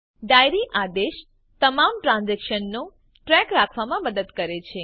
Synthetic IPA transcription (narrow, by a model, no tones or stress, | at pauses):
ɖajɾiʔad̪eʃ | t̪əmamʈɾãnzɛkʃənːo | ʈɾɛkɾakʰʋamãməd̪əd̪kəɾet͡ʃʰe